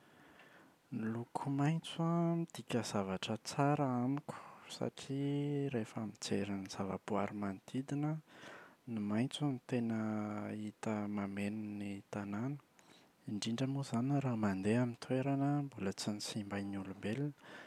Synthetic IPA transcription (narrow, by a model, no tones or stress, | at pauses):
nilukʰumajnt͡suamid̪̥ikʲəzavaʈ͡ʂət͡saɾəamikʲu̥sa̰ʈ͡ʂiɾefamid͡zeɾiniz̥avabuaɾimand̪̥id̪inə | nimajnt͡samit̪enəit̪əmamenunit̪ananə̥ | iɳɖ͡ʐiɳɖ͡ʐəmuzanɾamand̪eamint̪ʰweɾanəmbulət͡sinisimbajnulumbelinə̥